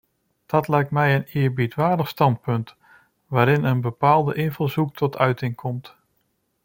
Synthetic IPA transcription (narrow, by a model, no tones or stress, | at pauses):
d̥ɑtlɛjk̚tmɛjənɪːɹbitʋaːɹdəχstɑnt̚pɵnt | ʋaːɾɪnənbəpaːlˠdəʔɪnvəlˠzuk̚tʰɔtʰœɥtɪŋkʰɔmt